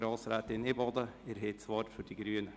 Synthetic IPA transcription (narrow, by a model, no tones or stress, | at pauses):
ɾɑːlsɾæt̪ɪnebɑːd̪əeɾhet̪sʋɑːɾfɔɖiːɡɾyːənə